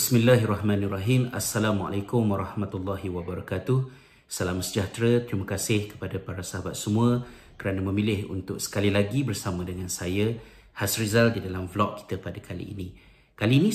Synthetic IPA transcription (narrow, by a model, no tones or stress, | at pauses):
bsmilːaɦirɑhmãniraɦima̰sːalama̰lajkʊmwaɾˤɑhmat̪ulːaɦiwabaɾɑkat̪ʊh | salamasəd͡ʒaht̪ɾət̪ɾiməkasɪhkə̥padapaɾasaɦabat̪̚səmũə | kəɾanamə̃milɪhṵnt̪ʊksə̥kalilaɡibərsamə̃dəŋansajə | hasrizaldidalamflɔk̚ːi̥t̪əpadakʰalḭːnĩ | kaliːnĩ